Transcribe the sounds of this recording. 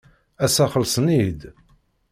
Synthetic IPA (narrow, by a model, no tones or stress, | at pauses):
æsæχəlsˤnid̪